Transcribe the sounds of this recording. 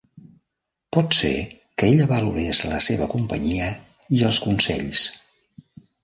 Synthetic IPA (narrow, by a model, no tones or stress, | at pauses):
pɔt̪sḛ | kəeʎəβəluɾesləseβəkumpə̰ɲiə | iəlˠskunsɛ̰ʎs